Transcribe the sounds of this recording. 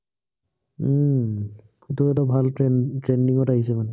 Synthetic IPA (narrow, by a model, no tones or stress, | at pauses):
utuɛtabʱaltɹɛntɹendiŋɔtaɦisɛmanɛ